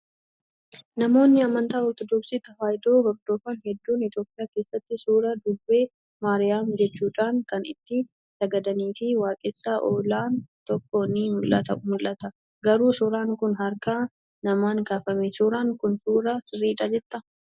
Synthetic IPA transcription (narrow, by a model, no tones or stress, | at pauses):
nɐmo̞ːnːɪɐmɐnt̪aːɔɾt̪ɔd̪ɔksiːt̪ɐhaːjd̪oːhɔɾd̪o̞ːfɐnhɛd̪ːuːnɪt̪jo̞ːpʼɪjaːkeːsːɐt̪ːɪsuːɾɐd̪ʊbbːe̞ː | maːɾɪjaːmd͡ʒɛt͡ʃːuːᶑaːŋkɐnɪ̰t̪ːɪ | sɐɡɐd̪ɐniːfɪwaːkʼɪsːaːʔoːlaːnt̪ɔkːoːniːmʊlʔɐt̪ɐmʊlːɐt̪ɐ | ɡɐɾuːsʊɾaːŋkʊnɦɐɾkɐ | nɐmaːŋkaːfɐmesuːɾaːŋkʊnsuːɾɐsɪrːiːɪᶑɐd͡ʒɛt̪ʼːɐ